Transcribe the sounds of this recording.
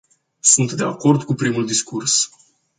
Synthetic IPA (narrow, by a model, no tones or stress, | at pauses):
sunt̪d̪ea̰ko̞rd̪kupɾimuld̪iskurs